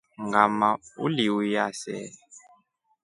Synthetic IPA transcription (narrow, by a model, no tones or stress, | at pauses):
ŋɡamaṵliwijasɛ̰ːl